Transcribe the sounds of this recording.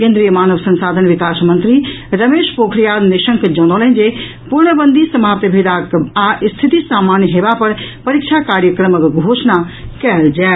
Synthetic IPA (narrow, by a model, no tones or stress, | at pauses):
kẽːnd̪ɾijəmaːnəʋsɐ̃nsaːd̪ʱənʋɪkaːsmɐ̃nt̪ɾiɾɐmeːʃpoːkʰɾijad̪niʃəŋkd͡ʒɐ̃ñolənd͡ʒe | puɾɳəbənd̪ʱisɐmaːpt̪bʱed̪akaʔst̪ʰit̪isaːmaːnjəɦeːʋapɐɾpɐɾikt͡ʃʰakaːɾjəkɾəməkɡʱoːʃnakɛld͡ʒaː